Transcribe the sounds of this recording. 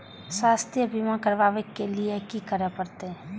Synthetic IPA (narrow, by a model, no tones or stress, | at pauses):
saːst̪jəbʱimãkəɾʋaːʋekːeliekikəɾepəɾt̪e